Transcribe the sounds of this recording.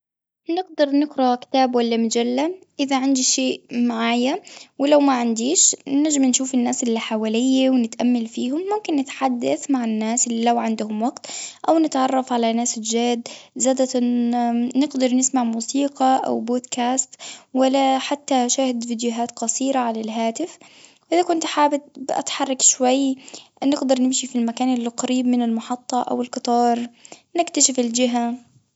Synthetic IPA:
nɪɡ̚d̪ɑɾˤnɪɡɾakɪ̥t̪aːbwalːamad͡ʒalːaʔɪðaʕand̪iʃeːʔmaʕaːjawɪlawmaʕɪnd̪iːʃnaʒɪmnʃuːfɪnːaːsɪlːiħawaːlɪjːawnɪt̪ʔamːalfiːhʊmːʊmkɪnːɪt̪ħad̪ːaθmaʕanːaːsʔɪlːilawʕɪnd̪ʊhʊmwaɡt̪ʔawnɪt̪ʕɑrˤːɑfʕalanaːsɪld͡ʒaːd̪zaːd̪a | nɪɡd̪ɑɾˤnɪsmaʕmuːsiːqɑʔa̰wboːd̪kʰaːst̪walːaħat̪ːaʃaːhɪd̪fid̪jʊɦaːt̪qɑsiːɾaʕalalɦaːt̪ɪf | ʔɪðakʊnt̪ħaːbɪt̪̚bɪʔa̰t̪ħɑrˤːɑkʃwajːnɪɡd̪ɑɾˤnɪmʃifilmakaːnɪlːiqɑɾiːbmɪnɪlmɑħɑt̪ˤːɑʔa̰wɪlqɨt̪ˤɑːɾˤnɪkt̪aʃɪfɪld͡ʒɪɦa

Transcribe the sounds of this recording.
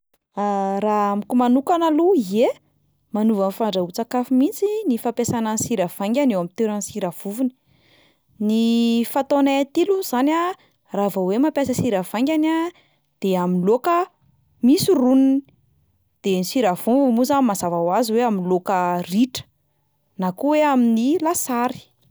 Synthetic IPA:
araamikʲumanukanaluie | manuvanfaɳɖ͡ʐaut͡sakafimint͡sinifapesanansiɾav̥aŋɡʲanewamit̪eɾənsiɾav̥uvuni̥ | nifat̪onaat̪iluz̥ana | ravawemampjasəsiɾav̥aŋɡʲana | d̪̥eaminlokə | misuruninii | d̪̥enisiɾav̥uvmuzamazavawazweaminlokəriʈ͡ʂə̥ | nakuweaminilasaɾi̥

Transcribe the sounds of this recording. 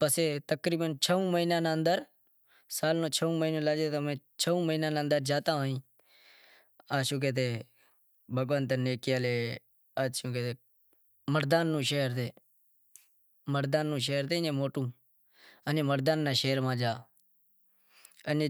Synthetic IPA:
pəseːt̪əkɾiːbənt͡ʃʰəũːməiːnãːnaənd̪əɾ | saːlnõːt͡ʃʰəũːməiːnõːlaːd͡ʒeːt̪amẽːt͡ʃʰəũːməɦiːnãːnaːənd̪əɾd͡ʒaːt̪ãːɦĩː | aːʃũːkeːt̪̬eː | bʱəɡʋənt̪neːkjaːleː | aːt͡ʃʰũːket̪eː | məɾd̪aːnːũːʃeːəɾt̪eː | məɾd̪aːnːũːʃ̬eːəɾt̪eːnẽːmoːʈũː | ənẽːməɾd̪aːnːaːʃeːɾmãːd͡ʒaː | əne

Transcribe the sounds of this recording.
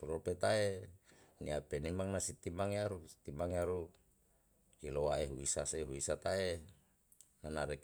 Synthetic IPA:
ɾopet̪ae | nḭapenimaŋnasit̪imaŋjaɾui̥t̪imaŋjaɾu | ilowaeɦuisaseɦuisat̪ae | nanaɾek

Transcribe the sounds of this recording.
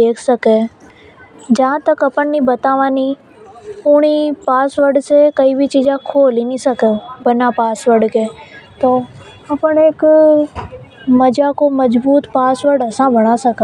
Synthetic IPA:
eːkʰsɐke | d͡ʒɐãt̪ɐkɐpəɳ̃nibɐt̪aːʋani | ʊɽ̃ipaːsʋəɖsekɐibʱit͡ʃiːd͡ʒãkʰoːlinisɐkebɐnapaːsʋəɽkeːt̪oː | ɐpəɽ̃eːk | mɐd͡ʒakomɐd͡ʒbuːt̪paːsʋəɖɐsãbɐɽ̃asɐka

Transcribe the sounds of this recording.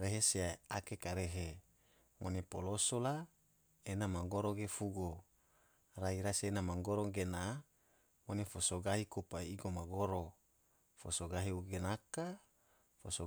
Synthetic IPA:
ɾeɦesiaakekaɾeɦe | mʔonepolosola | enamaŋɡoɾoɡefuɡo | raiɾasenamaŋɡoɾoŋɡena | monefosoɡaɦikupaiɡomaɡoɾo | fosoɡaɦiuɡenaka | foso

